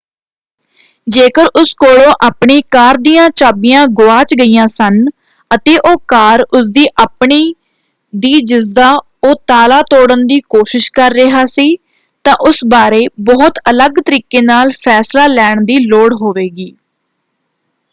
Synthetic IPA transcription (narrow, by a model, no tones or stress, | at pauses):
d͡ʒeːkəɾʔʊskoːɽõːʔaːpɳeːkaːɾd̪iːjãːt͡ʃaːbijãːɡʊaːt͡ʃɡəiːãːsən | ət̪eːʔoːkaːɾʊs̬d̪iːʔaːpɳiː | d̪iːd͡ʒɪzd̪aː | oːt̪aːlaːt̪oːɽənd̪iːkoːʃɪʃkəɾːɪɦaːsiː | t̪ãːʔʊsbaːɾeːbɔːt̪ələɡt̪əɾiːkeːnaːlpʰɛːslaːlɛːɳd̪iːloːɽɦoːʋeːɡiː